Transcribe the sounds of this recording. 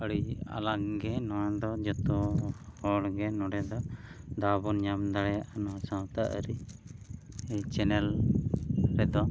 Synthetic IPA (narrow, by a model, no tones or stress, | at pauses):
ɔɽia̰laɡɡɛnɔwãd̪ɔd͡ʒɔt̪ɔhɔɽɡɛnɔɖɛd̪ɔd̪abɔnɲamd̪aɽɛjaʔanɔwãsãwt̪aʔɾi | ɛt͡ʃɛnɛl | ɾɛd̪ɔ